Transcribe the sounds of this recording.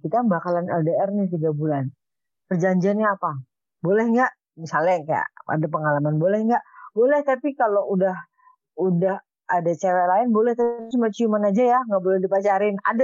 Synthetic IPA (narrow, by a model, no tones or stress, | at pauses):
kit̪abakalanɛldeɛrnit̪iɡabulan | pərd͡ʒaɲd͡ʒianɲaapa | bolɛhŋɡaʔ | misalɲakaja̰ʔa̰dap̬əŋalamanbolɛhŋɡaʔbolɛht̪apikaloʔudah | udah | adat͡ʃaɾalaɪnbolɛht̪asmat͡ʃuimanad͡ʒajaŋɡaʔbolɛhdipat͡ʃaɾɪna̰da